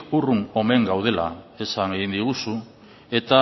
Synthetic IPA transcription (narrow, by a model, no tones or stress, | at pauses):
uruno̞me̞ŋɡawð̞e̞la̰e̞saŋeɣind̪iɣ̞usu | e̞t̪a